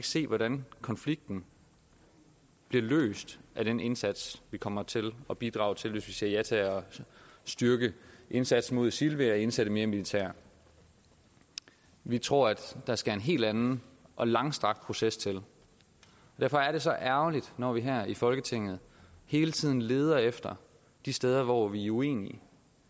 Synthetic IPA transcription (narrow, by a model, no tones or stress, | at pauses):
eɡ̥se̝̰ːʋɒɾænkʰɒ̽nfliɡ̥̚d̥n̩ | b̥liɐlø̰ːsd̥ʔæɾ̥ene̝nsæd̥sʋikʰɒ̽m̰ɐt͡sʰe̝lɒ̽b̥id̥ʁɑ̈ʊt͡sʰe̝lʋe̝sʋise̝ɐjæt͡sʰæɒ̽sd̥yɐɡ̥əʔe̝nsæd̥smo̝ð̰ˠsilʋeɒe̝nsæɾ̥əme̝ːɐmilit͡sʰæ̰ɐ̰ | ʋit͡sʰʁo̝ɐ̰æd̥ːɑ̈sɡ̥æenɦe̝̰ːld̥ænn̩ʔɒ̽lɑ̈ŋsd̥ʁɑ̈ɡ̥d̥̚pʰʁo̝sest͡sʰe̝l | ɒdæɐfɒ̽æɐɾ̥e̝sɒ̽ʔæɐʊlid̥nɒʋiɦæɐ̰ifɒ̽lɡ̥ət͡sʰe̝ŋ̰ð̞̩ˠ | he̝ːlət͡sʰið̰ˠn̩le̝ːð̞ˠɐefd̥ɐ | d̥isd̥eːð̞ˠɐʋɒʋiue̝̰ːniə